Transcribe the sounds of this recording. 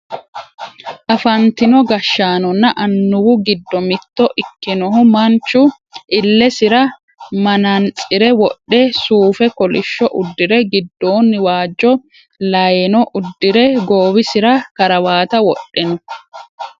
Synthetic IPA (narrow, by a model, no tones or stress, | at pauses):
ʔɐfɐnt̪ɪnɔɡɐʃːaːnɔnːɐʔɐnːʊwʊɡɪd̪ːɔmɪt̪ːɔʔɪkːɪnɔɦʊmɐnt͡ʃːʊ | ʔɪlːɛsɪɾɐ | mɐnɐnt͡sʼɪɾɛwɔɗɛsuːfɛkɔlɪʃːɔʔʊd̪ːɪɾɛɡɪd̪ːo̞ːnːɪwaːd͡ʒːɔ | lɐjɛnɔʔʊd̪ːɪɾɛɡoːwɪsɪɾɐkɐɾɐwaːt̪ɐwɔɗːɛnɔ